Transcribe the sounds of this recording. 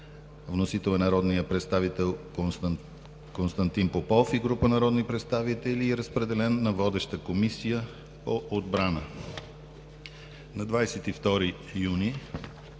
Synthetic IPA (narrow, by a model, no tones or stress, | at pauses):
vnosit̪ɛlˠənɐɾɔd̪nijəpɾɛt̪st̪avit̪ɛlˠ | konst̪ɐnt̪inpopɔfiɡɾupənɐɾɔd̪nipɾɛt̪st̪avit̪ɛliːɾəspɾɛd̪ɛlɛnːɐvɔd̪ɛʃt̪əkomisijə | poʔod̪bɾanə | nɐd̪vajsɛt̪ift̪ɔɾi | juni